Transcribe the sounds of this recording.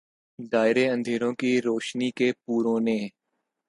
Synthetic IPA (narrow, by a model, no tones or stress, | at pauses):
d̪aːɪɾeːə̃nd̪ʱeːɾõːkiɾoːʃnikepuːɾõːnẽː